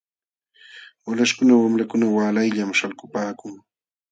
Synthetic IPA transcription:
alaʃkʊnawamɾakʊnawaːlajʎamʃalkʊpaːkʊŋ

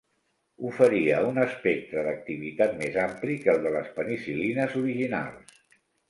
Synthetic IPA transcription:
ufəɾiəunəspek̚t̪ɾəðək̚t̪iβ̞it̪at̪mezamplikəlˠd̪ələspənisilinəzuɾiʒina̰lˠs

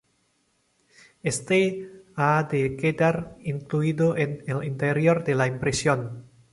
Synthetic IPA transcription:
est̪ead̪eked̪aɾiŋkluid̪oʔenelint̪eɾjoɾd̪elaimpɾesjon

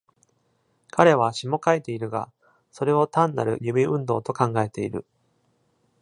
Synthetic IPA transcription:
kʰaɾe̞βaɕimo̞kait̪e̞iɾɯ̟ɡa̰ | so̞ɾe̞o̞t̪ãnːa̰ɾɯ̟̰jɯbʲiɯ̟̃nd̪o̞ːt̪o̞kãŋɡae̞t̪e̞iɾɯ̟̰

